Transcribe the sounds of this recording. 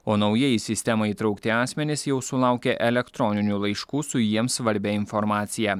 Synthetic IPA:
oːnɒʊjɛːjɪsʲɪsʲt̪ʲɛmɐiːt̪ɾɐʊkt̪ʲɪɑːsʲmʲɛnʲɪsjɛʊsʊlˠɑˑʊkʲɛʔɛlʲɛkt̪ɾɔnʲɪnʲuːlˠɐɪʃkuːsʊjiɛmsʋɐɾʲbʲɛɪnfɔɾmɑːt̪sʲɪjæ

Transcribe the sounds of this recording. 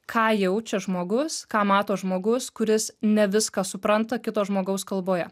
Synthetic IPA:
kʰɑːjɛʊt͡ʃʲɛʒmoːɡʊskɑːmɑːt̪oːʒmoːɡʊskʊɾʲɪsnʲɛʋʲɪskɑsʊpɾɐnt̪ɐkʲɪt̪oːʒmoːɡɐʊskɐlˠboːjɛ

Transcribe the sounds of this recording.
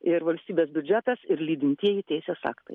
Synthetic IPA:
ɪɾʋɐlʲsʲt̪ʲiːbʲeːsbʲʊd͡ʒʲæt̪ɐsɪɾlʲiːd̪ʲɪnʲt̪ʲiɛjit̪ʲɛɪsʲeːsɑ̰ːkt̪ɐɪ

